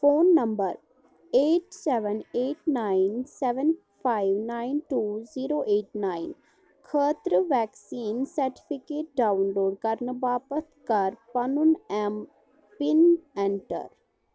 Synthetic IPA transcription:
foːnːɐ̃mbəɾ | eːʈsɛʋəneːʈnaɪnsɛʋən | pʰaːɪʋnaːɪnʈuːziːɾoːʔeːʈnaːɪn | kʰəːt̪ɾəʋɛːksiːnsəɾʈɪ̥pʰɪkeːʈ̚ɖaːʊnloːɖkɐɾnəbaːpət̪ʰkɐɾpɐnʊnɛm | pɪnɛ̃ɳʈə̰ɾ

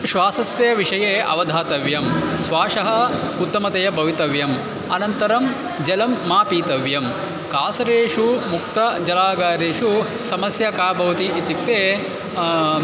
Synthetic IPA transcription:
ʃʋaːsɐsjɐʋiʂɐjeːʔɐ̰ʋɐd̪ʱaːt̪ɐʋjɐmsʋaːʂɐɦɐut̪ːɐmɐt̪ɐjɐbʱɐʋit̪ɐʋjɐm | ɐnɐnt̪ɐɾɐm | d͡ʒɐlɐmːaːpiːt̪ɐʋjɐm | kaːsɐɾeːʂumuk̚t̪ɐd͡ʒɐlaːɡaːɾeːʂu | sɐmɐsjɐkaːbʱɐʋɐt̪iʔit̪ipt̪ːeː

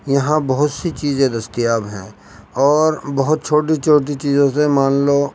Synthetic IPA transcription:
jɐɦãbɐɦʊt̪sit͡ʃiːzẽd̪ɐst̪ijaːbɦɛ̰̃ | ɔːɾbɐɦʊt̪̚t͡ʃʰoːʈit͡ʃʰoːʈit͡ʃiːzõsemaːnloː

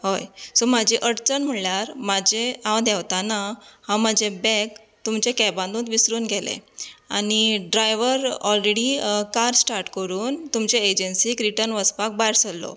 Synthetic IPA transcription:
ɦojsomad͡ʑʱeʔəɽt͡sənm̤əɳljaɾmad͡ʑeãwd̪ɛʋt̪anahãmad͡ʑebɛ̃k | t̪umt͡ɕekɛbãnd̪ũːt̪ʋisɾuːnɡʱɛlḛa̰niɖɾajʋəɾɔlɾeɽikaɾsʈaɾʈkəɾuːnt̪umt͡ɕeed͡ʑənsiːkɾiʈəɾnʋəspak̚bajɾsəlːɔ̰

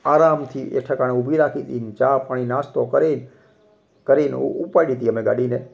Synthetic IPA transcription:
aːɾaːmt̪ʰiʔḛʈʰəkaneubʱiɾakʰit̪int͡ʃaːpaɽ̃inaːst̪okəɾen | kəɾenupajɽit̪iəmẽɡaːɽine

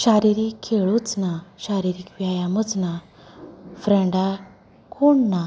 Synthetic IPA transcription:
ɕaɾiɾikʰːeɭut͡snaɕaɾiɾikʋjajamət͡sna | fɾɛ̃ɳɖa | kʰoɳna

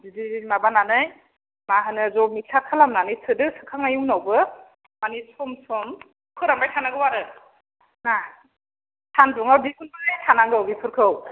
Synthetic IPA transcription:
didimabananɯj | maɦanɯzɔmik̚sʰakʰɯlamnanɯjtʰɯdɯsɯkʰaŋajunawbɯ | manisɔmsɔm | kʰɯɾambajtʰanaɡɯwaɾɯ | na | tʰanduŋawdikunbanajtʰanaŋɡɯwbipʰɯɾkʰɯw

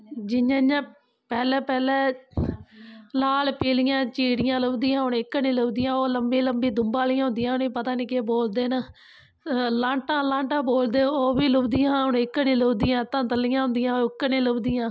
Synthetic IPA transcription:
d͡ʒɪɲjãːãː | pɛːlɛːpɛːlɛː | laːlpiːlɪjãːt͡ʃiːɽjãːləbd̪ɪjãːɦʊɽɪkːnĩːləʋd̪ɪjãːoːləmbĩːləmbiːd̪ʊmbaːlijãːɦʊ̃nd̪ɪjãːɦoniːpət̪aːniːkeboːld̪eːnə | lãːɳʈãːlãːɳʈãːboːld̪eːoːbiːlʊbd̪ɪjãːɦʊɳɪkːnĩːləːd̪ɪjãːt̪ãːt̪əlːɪjãːɦʊ̃nd̪ɪjãːoɪkːniːləbd̪ɪjãː

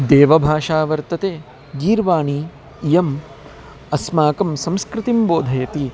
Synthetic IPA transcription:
d̪eːʋɐbʱaːʂaːʋɐɾt̪ɐt̪eː | ɡiːɾʋaːɳi | jɐm | ɐsmaːkɐmsɐmskɾɪt̪imboːd̪ʱɐjɐt̪i

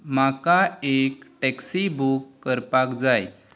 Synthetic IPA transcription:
makaekʈɛksibukːəɾpakd͡zaj

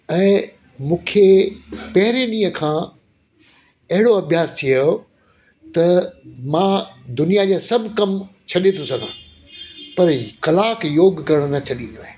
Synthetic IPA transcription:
ɛ̃ː | mũːkʰepɐɦɪɾenĩːə̃kʰãː | ɐɦɪɽoɐbʱjaːst̪ʰio | t̪ɐmãːd̪ʊnijad͡ʑaːsɐbʱkɐmt͡ɕʰɐɗet̪ʰosɐɡʱã̰ː | pɐɾxɐlaːkjoːɡkɐɾəɽ̃t̪ʰat͡ɕʰɐɗĩːnd̪oẽː

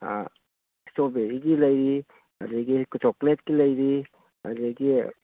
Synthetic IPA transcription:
a̰ | stobeɾiɡilɐjɾi | a̰ɾiɡikutʰɔklet̚kilɐjɾi | ɐ̰ɾiɡi

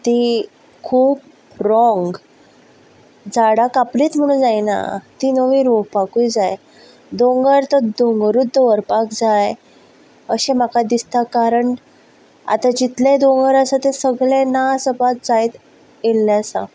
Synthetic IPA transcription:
t̪i | kʰuːp | ɾɔŋɡ | d͡zaɽakapliːt̪m̤əɽ̃ũːnd͡zajna̰t̪inəʋĩɾoɦpakujd͡zaj | d̪õŋɡəɾt̪əd̪oŋɡɾut̪d̪əʋəɾpakd͡zaj | əɕẽm̤akad̪ist̪akaɾəɳ | a̰t̪ãd͡ʑit̪lẽd̪õŋɡəɾəsat̪ẽsəɡɭẽnasəpat̪̚d͡zajt̪ | elːɛsa̰

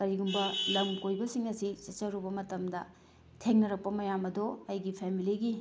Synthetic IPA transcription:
kɐɾiɡumbɐlɐmkojbɐsiŋɐsit͡ʃɐt͡ʃɐɾubɐmɐtɐmdɐ | tʰeŋnɐɾɐk̚pɐmɐjamɐdoɐjɡipʰemiliɡi

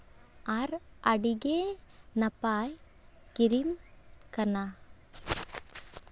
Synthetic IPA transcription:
ɐɾɐɽiɡenɐpaːj | kiɾimkɐna

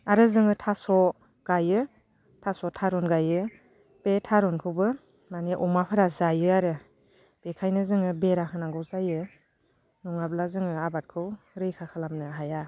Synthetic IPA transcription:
aɾɯzɯŋɯtʰasɔ | ɡ̥ajɯ | tʰasɔtʰaɾunɡajɯ | petʰaɾunkʰɯwbɯ | maneʔɔmapʰɯɾazajɯaɾɯ | b̥ekʰajnɯzɯŋɯbeɾahʰɯnaŋɡɯwzajɯ | nuŋablazɯŋɯabat̚kʰɯw | ɾɯjkʰakʰalamnɯɦaja

